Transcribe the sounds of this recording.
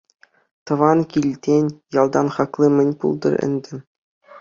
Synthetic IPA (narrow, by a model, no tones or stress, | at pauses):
t̪ɤ̆ʋɑnkʲilʲt̪ʲenʲjɑlˠd̪ɑnχɑklˠɤmʲɘ̆nʲpṵlˠd̪ɤ̰̆rɘ̰̆nʲd̪ʲɘ̆